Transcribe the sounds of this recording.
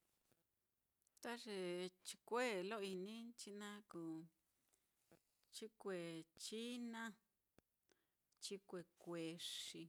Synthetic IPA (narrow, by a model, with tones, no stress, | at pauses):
t̪a˦ʐe˧t͡ʃi̥˧kʷe˦˨lo˦˧i˧nĩ˦t͡ʃi˦nã˦ku˨ | t͡ʃi˦kʷe˨t͡ʃi˦nã˦ | t͡ʃi˦kʷe˧kʷe˨ʂi˧